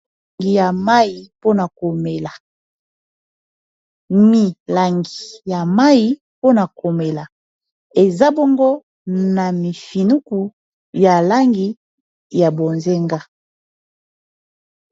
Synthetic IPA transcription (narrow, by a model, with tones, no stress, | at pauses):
ɡi˨ja˨ma˦ji˨po˦na˨ko˨me˨la˨ | mi˨la˨ŋɡi˨ja˨ma˦ji˦ | po˦na˨kʰo˨me˨la˨ | e˨za˦bo˦ŋɡo˦ | na˨mi˨fi˨nu˦ku˨ | ja˨la˦ŋɡi˨ | ja˨bo˨nze˦ŋɡa˦